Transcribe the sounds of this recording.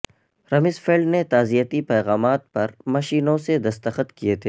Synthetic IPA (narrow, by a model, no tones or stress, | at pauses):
ɾɐmɪsfeːlɖnet̪aːzijət̪ipɛːɣaːmaːt̪̚pɐɾmɐʃiːnõsed̪ɐst̪əxət̪kijet̪ʰeː